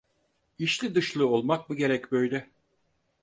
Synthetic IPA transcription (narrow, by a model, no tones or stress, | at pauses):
iʃlʲid̪ɯʃlˠɯolˠmak̚mɯɟe̞ɾɛcbøjlʲɛ